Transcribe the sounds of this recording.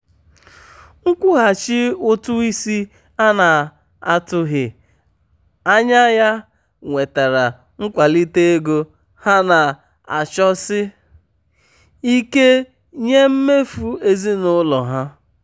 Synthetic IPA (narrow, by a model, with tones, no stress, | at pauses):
ŋ̩˦kʷʊ˦ɦa˨t͡ʃɪ˦ʊ˦tʊ˦i˦si˦ | a˦na˨ | a˨tʊ˦ɦɪ˨ | a˦ɲa˦ja˦ | ŋʷe˨ta˨ɾa˨ | ŋ̩˦kʷa˨li˦te˦e˦ɡo˦ | ha˦na˨ | a̰˨t͡ʃɔ˦sɪ˦ | i˦ke˦ | ɲe˦m̩˦me˦fu˦e˦zi˦nʊ˦lɔ˨ɦa˦